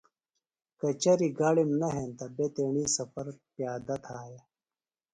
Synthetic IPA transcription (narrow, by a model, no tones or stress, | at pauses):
kɐt͡ɕɐɾiɡaːɽimnɐɦent̪ɐbet̪eːɳisɐfɐɾpjaːd̪ɐt̪ʰaːja